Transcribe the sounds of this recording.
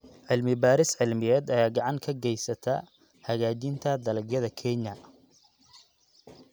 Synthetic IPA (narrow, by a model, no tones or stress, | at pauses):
ʕɪlmɪbaːɾɪsʕɪlmɪjɛːd̪ɐjaːɡɑʕɑŋkʰɐɡɛjsɐt̪ʰɐ | hɐɣaːt͡ʃɪnt̪ʰɐd̪ɐlɐɡjɐðɐkʰɛɲɐ